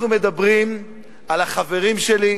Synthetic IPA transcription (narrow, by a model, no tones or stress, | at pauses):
nume̞d̪abʁim | alaχave̞ʁimʃeli